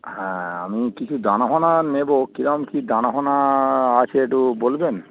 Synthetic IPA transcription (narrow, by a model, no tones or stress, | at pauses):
hɛ̃a̰mikit͡ɕʰud̪anaɦonanebokiɾɔmkid̪anaɦonaat͡ɕʰeeʈubolben